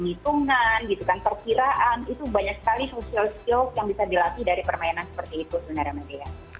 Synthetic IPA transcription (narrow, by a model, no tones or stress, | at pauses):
nit̪uŋanɡit̪ukanpərkiɾaʔanit̪ubaɲaksə̥kalisosialskiɔkjaŋbisadilat̪idaɾipərmajɛnansə̥pərt̪iːt̪usəbənəɾamad̪ija